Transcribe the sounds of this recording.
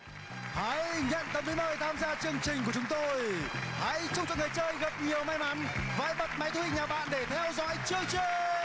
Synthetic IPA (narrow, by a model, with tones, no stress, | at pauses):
ha̰˧˥˧jɲə̰˧˨nt̪ə˨˧˩mt̪i˨˦məː˨˩jt̪ʰaː˧mzaː˧t͡ɕɨ˨˧əŋt͡ɕï˨˩ŋku˧˩ə˩t͡ɕʊ˨˦ŋ͡mt̪o˧jha̰˧˥jt͡ɕʊ˧ŋ͡mt͡ɕɔ̰˧˨˩ŋaː˨˩jt͡ɕəː˧jɣə˨˩p̚ɲi˨˩əwma˧jma˨˦nva̰ː˧˥jɓə˨˩t̚ma˨˦jt̪ʰu˧hi˧˨˩ɲaː˨˩ɓa̰ː˧˨nɗe˧˩t̪ʰɛ˧wzɔ̰˧˥jt͡ɕɨ˧ək̚t͡ɕə˧ə